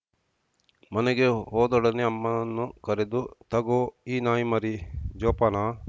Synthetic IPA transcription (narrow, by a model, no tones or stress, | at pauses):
mɐneɡeɦɔːd̪ɔɽɐneɐmːɐnːukɐɾed̪ut̪ɐɡoːiːnaːjumɐɾid͡ʒɔːpɐnaː